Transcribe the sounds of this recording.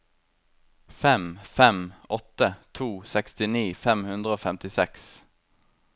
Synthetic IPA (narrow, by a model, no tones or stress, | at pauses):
fɛmfɛmɔt̪ət̪ʰuːsɛkst̪ɪniːfɛmhʉnd̪ʁəoːfɛmt̪ɪsɛks